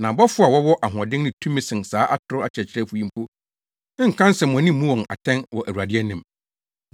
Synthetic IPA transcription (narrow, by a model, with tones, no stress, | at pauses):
nã˨bɔ˦fʊ˦a˨wɔ˦wɔ˦ʔa˨ɦɔ̃˨dɪ̃˦nɪ̃˦tʰũ˦mĩ˦sɪ̃˨nsaː˨˦ʔa˦tʰʊ˨ɾʊ˦a˨t͡ɕʰɛ˨t͡ɕʰɪ˦ɾɛ˦fʊ˨˦ĩ˦m˦pʰo˦ | ŋ̩˨kʰã˦n˦sɛ̃˨m̃˨nĩ˦mũ˦wɔ̃˨ŋa̰˨tʰɛ̃˦nwɔ˨ʔæ˨wu˨ɾa˨dɪ˦ɛ˦nɪ̃˨m